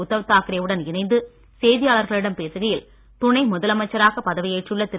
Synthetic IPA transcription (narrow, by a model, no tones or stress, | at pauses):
ʊt̪ːɐʋɐt̪ːaːkɪɾɐjɐʋɯɽɐnɪnɐɪnd̪ɯ | seːðɪjaːɭɐɾɣɐɭɪɽɐmpeːsɯɣɐjɪl | t̪ʊnɐɪmʊðɐlɐmɐt͡ʃːɐɾaːɣɐpːɐðɐʋɪjɐɪʈrɯɭːɐt̪ɪ